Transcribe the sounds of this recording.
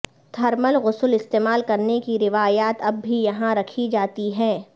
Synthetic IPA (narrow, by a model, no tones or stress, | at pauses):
d̪ʱɐɾməlɣʊsəlɪst̪eːmaːlkɐɾnekiɾɪʋaːjaːt̪ɐbːʱijɐɦãɾɐkʰid͡ʒaːt̪iɦɛ̃ː